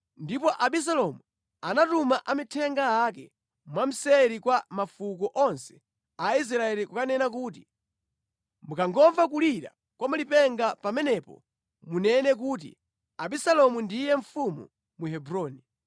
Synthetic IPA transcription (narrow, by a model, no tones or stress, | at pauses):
ndipɔʔaɓis̬alɔmu | anatumaʔamitʰɛŋɡaakɛ̰ | mwam̩sɛɾikwamafukɔʔɔnsɛ̥ | ais̬ɾaɛlikukanɛnak̬uːt̬i | mukaŋɡɔɱvak̬uliɾa̰ | kwamalipɛŋɡapamɛnɛpɔ̰ | munɛnɛk̬uːt̬ḭ | aɓisalɔmundijɛɱ̩fumṵ | muɦɛbɾɔːni